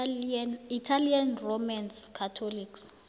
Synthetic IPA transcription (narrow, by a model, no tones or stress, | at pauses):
itʰalianrɔmanskʰatʰoliks